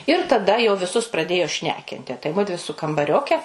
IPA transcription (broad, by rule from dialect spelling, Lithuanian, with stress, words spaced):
ɪr tɐˈdɐ jɛʊ ʋʲɪˈsʊs prɐˈdʲeːjoː ˈʃʲnʲæːkʲɪnʲtʲɪ tɐɪ ˈmʊdʲʋʲɪ sʊ kɐmbɐˈrʲoːkʲɛ